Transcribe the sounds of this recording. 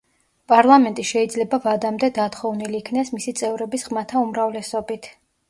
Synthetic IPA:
pʼaɾlˠamɛnt̪ʼiʃɛid̪zlɛbavad̪amd̪ɛd̪at̪χɔvniliːkʰnɛsmisit̪sʼɛvɾɛbisʁmat̪ʰaumɾavlɛsɔbit̪ʰ

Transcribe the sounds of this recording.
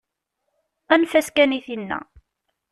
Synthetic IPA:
ænfæskæniθinːæ̰

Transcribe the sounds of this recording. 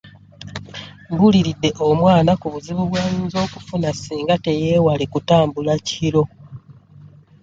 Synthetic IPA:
buliɾidːe̞ʔomwaːnakuβuziβuβwanzo̞ːkufunasiːŋɡate̞je̞ːwalikutaːmbulaciɾo̞

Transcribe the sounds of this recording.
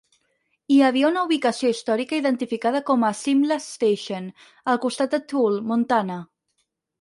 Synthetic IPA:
iəβ̞iəunəuβ̞ikəsioist̪ɔɾikəiðənt̪ifikað̞əkɔməsimləst̪eʃon | əlˠkust̪at̪̚d̪ət̪ulˠmunt̪anə

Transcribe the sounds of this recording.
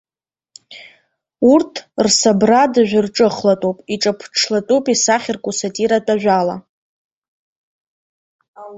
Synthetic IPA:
urtʰrsabradɨʒᶣʷʊrʈ͡ʂʼɨχlatʼowpʼiʈ͡ʂʼapʰʈ͡ʂʰlatʼopʼisaχʲɪrkʷʼusatʼiɾatʼaʒʷᶣala̰

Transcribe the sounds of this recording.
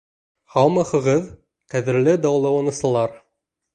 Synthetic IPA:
hɑwmɑχɤ̆ʁɤð | qæðɘ̆ɾlɘd̪ɑwlˠɑwɑnɤ̆sɤ̆lˠɑɾ

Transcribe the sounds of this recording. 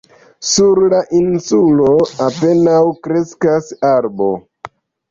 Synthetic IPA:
suɾlaʔinsulo̞ape̞nawkɾe̞skasaɾbo̰

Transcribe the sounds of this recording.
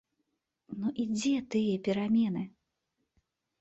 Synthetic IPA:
nuʔid͡zʲɛt̪ɨjɐpʲiɾamʲɛnɨ

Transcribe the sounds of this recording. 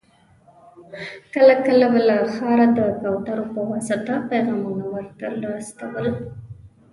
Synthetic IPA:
kəlakəlabəlaxɑɾad̪əkɑwt̪aɾopəwɑsət̪apajɣɑmunawəɾt̪əɾlɑst̪awəl

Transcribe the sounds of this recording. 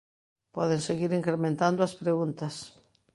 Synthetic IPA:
pɔðeŋseɣiɾiŋkɾemẽnt̪and̪ʊɐspɾeɣunt̪ɐs

